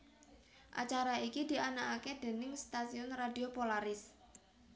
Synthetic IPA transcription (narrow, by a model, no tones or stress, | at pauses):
ʔa̰t͡ʃaɾaikid̪̥i̤anaʔaked̪̥e̤nɪŋst̪asiʊnrad̪iopolaɾɪs